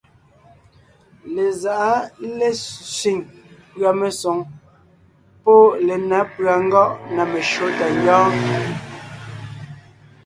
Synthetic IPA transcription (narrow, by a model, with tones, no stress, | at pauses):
le˨za˨ʔa˦le˦˨si˨ŋ | pɰa˨me˨so˨˦ŋ | po˦le˨na˨˦pɰa˨ŋ̩˦ɡɔ˦ʔna˨me˨ʃo˦ta˨ɲ˦jɔ̃ː˦